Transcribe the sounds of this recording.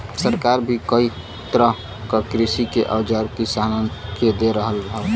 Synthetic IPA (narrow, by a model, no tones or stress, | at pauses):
səɾkaɾbʱikəi | t̪ɾəɦ | kəkɾisikeʔəwd͡ʒəɾkisanənked̪eɾəɦəlɦəɾ